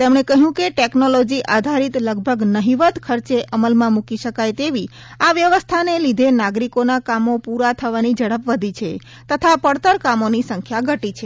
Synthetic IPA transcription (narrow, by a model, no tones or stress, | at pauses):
t̪emɳ̃ekəɦjũkeʈeknolod͡ʒiʔad̪ʱaɾit̪ləɡ̚bʱəɡnəɦiʋət̪kʰəɾt͡ʃeʔʔəməlmãmukiʃəkajt̪eʋi | aʋjəʋəst̪ʰanelid̪ʱenaɡɾikonakamopuɾat̪ʰəʋanid͡ʒəɽəpʋəd̪ʱit͡ʃʰe | t̪ət̪ʰapəɽt̪əɾkamonisəŋkʰjaɡʱəʈit͡ʃʰe